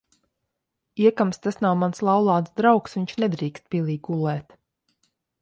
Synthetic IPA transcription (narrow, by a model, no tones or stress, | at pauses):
iɛkamst̪asnawmanslˠawlˠɑːt̪sd̪ɾawksviɲt͡ʃnɛd̪ɾiːkst̪̚pʲiɛlˠiːɡulˠɛːt̪